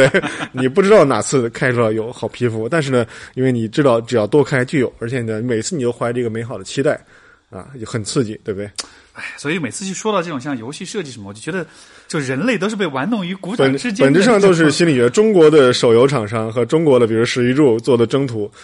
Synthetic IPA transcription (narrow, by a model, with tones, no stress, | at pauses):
t̪we˥˩ɪni˨˩p̬u˥˩ʈ͡ʂɻ̩˥t̪ɑ˥˩ʊna̰˨˩t͡sʰɹ̩˥˧kʰa˥ɪʈ͡ʂʰu˥˩lə˧˩jo˧˥ʊxɑ˨˩ʊpʰi˥fu˧˥t̪a˥˧nʂ̬ɻ̩˥˩nə˩i˥nwe˥˩ɪni˨˩ʈ͡ʂɻ̩˥t̪ɑ˥˩ʊʈ͡ʂɻ̩˨˩jɑ˥˧ʊt̪wɔ˥kʰa˥ɪt͡ɕjo˥˩jo˨˩˦ʊə˞˧˥t͡ɕʰjɛ˨˩ə˧ni˧˩me˨˩ɪt͡sʰɹ̩˥˩ni˨˩o˥ʊxwa˧˥ʈ͡ʂə˩˧˥ɡə˩me˧˥ɪxɑ˨˩ʊd̪ə˦t͡ɕʰi˥t̪a˥˩ɪ | ɐ̰˧˩˧xə˨˩nt͡sʰɹ̩˥˧t͡ɕḭ˥˩t̪we˥˧b̚u˩d̪e˥˩ɪ | a˥˩ɪswɔ˧˥i˨˧˥me˨˩ɪt͡sʰɹ̩˥˧t͡ɕʰy˥˩ʂwɔ˥d̪ɑ˥˧ʊʈ͡ʂɤ˥˩ʈ͡ʂʊ˨˩ŋɕjɑ˥˩ŋjo˧˥ʊɕi˥˧ʂɤ˥˧t͡ɕi˥˩ʂə˧˥mə˨t͡ɕo˥˩t͡ɕɥɛ˧˥ə˧ | t͡ɕjo˥˧ʊ˧ɻə˧˥nle˥˩ɪt̪̬ʊʂɻ̩˥˩pe˥˩ɪwa˧˥nnʊ˧˥ŋy˧˥ku˧˥t͡ɕpə˨˩ʂɻ̩˥t͡ɕpə˧˨˩nʈ͡ʂɻ̩˥˧ʂɑ˥˧ŋt̪o˥ʊʂ̬ɻ̩˧˥˩ɕi˥nli˨˩ɛ˧˥ʈ͡ʂʊ˥ŋkwɔ˧˥d̪ə˧ʂo˨˩ʊjo˧˥ʊʈ͡ʂʰɑ˨˩ŋʂɑ˥˩ŋxɤ˧˥ʈ͡ʂʊ˥ŋkwɔ˧˥d̪ə˧pi˨˩ɻu˧˥ʂɻ̩˧˥i˧˥ʈ͡ʂu˥˧t͡swɔ˥˩d̪ə˩ʈ͡ʂɤ˥ŋt̪ʰu˧˥